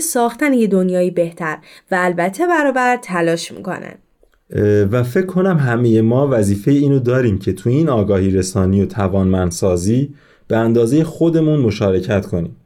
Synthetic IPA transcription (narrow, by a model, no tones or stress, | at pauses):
sɒːxt̪ænejed̪o̞njɒːjiːbe̞ht̪ʰæɾvæːlbæt̪ʰːe̞bæɾɒːbæɾt̪ʰælɒːʃmḭːkʰo̞̰næ̰nd̪̥ | væfe̞cʰːo̞næmɦæmeje̞mɒːvæziːfe̞jeiːnod̪ɒːɾiːmcʰe̞t̪ʰuiːnɒːɡɒːhiːɾesɒːnijot̪ʰævɒːnmænd̪sɒːziː | b̥eænd̪ɒːze̞jexo̞d̪e̞munmo̞ʃɒːɾe̞cʰæt̪kʰo̞niːm